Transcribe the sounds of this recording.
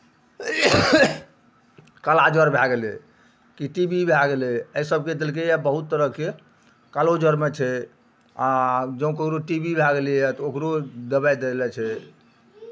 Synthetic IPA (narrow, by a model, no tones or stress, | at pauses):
kəlad͡ʒəɾbʱaɡelɛ̰ | kiʈibibʱaɡelɛəjsəb̚ʱked̪elk̬ejabəɦut̪ːəɾəɦke | kalod͡ʒəɾmet͡ʃʰɛ | ad͡ʒəũkokɾoʈibʱibʱaɡeliɛt̪ɔokɾod̪əbajd̪elɛt͡ʃʰɛ